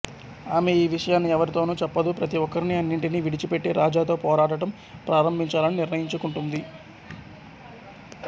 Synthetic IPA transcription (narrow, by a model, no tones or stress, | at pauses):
aːme̞iːʋiʂɐjaːnːiɛʋɐɾit̪o̞ːnuːt͡ʃɛpːɐd̪upɾɐt̪iʋɔkːɐɾiniɐnːiɳʈiniʋiɽit͡ʃipe̞ʈːeːɾʔaːd͡ʒaːt̪oːpɔːɾaːʈɐʈɐm | pɾʔaːɾɐmbʱiɲt͡ʃaːlɐniniɾnɐjiɲt͡ʃukuɳʈund̪i